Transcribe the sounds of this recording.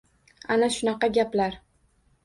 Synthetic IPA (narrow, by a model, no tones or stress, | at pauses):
anaʃʊnɑqɑɡʲaplaɾ